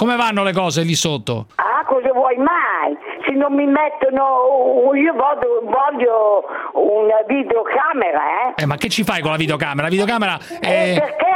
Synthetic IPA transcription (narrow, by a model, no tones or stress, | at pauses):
komevanːolek̬ɔːzelisot̪ːo̰akɔzavwɔjmajsɪnːomːimɛt̪ːono | iːovɔd̪ovɔʎːo | unavid̪eokaːmeɾa̰ɛɛmːakːet͡ʃːifajkolavid̪eokaːmeɾavid̪eokaːmeɾa | ɛpeɾke